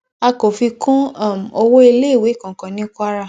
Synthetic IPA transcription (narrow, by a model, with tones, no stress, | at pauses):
a˧ko˨fi˧kũ˦a˦˨m˨o˧wo˦i˧le˦i˦˨we˨˦˨kã˨kã˨˦nĩ˦kʷa˦ɾa˧